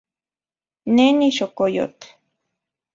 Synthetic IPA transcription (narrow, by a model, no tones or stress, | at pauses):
neniʃokojo̰t̪